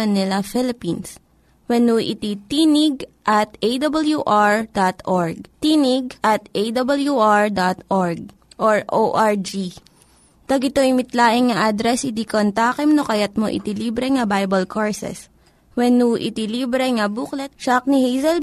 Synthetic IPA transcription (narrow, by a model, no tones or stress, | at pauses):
ɐnːɪlɐfɪlɪpins | wɛnuʔɪ̰t̪it̪iːnɪɡ̚ʔɐt̪ʔejd̪ɐbɐljuʔaɹd̪at̪ʔoɹɡ̚t̪inɪɡ̚ʔɐt̪ʔejd̪ɐbɐljuʔaɹd̪at̪ʔoɹɡ̚ | ʔoɹʔoʔaɹd͡ʒi | t̪ɐɡɪt̪oɪmɪt̪laːʔɪŋŋɐʔad̪ɾɛsɪd̪ikont̪aːkɛmnokɐjɐt̪̚moʔɪ̰t̪iliːbɾɛŋɐbajbɐlkʰoɹsɛ̰s | wɛnuʔɪ̰t̪iliːbɾɛŋɐbuːklɛt̪̚t͡ʃɐk̚nɪhejsɛl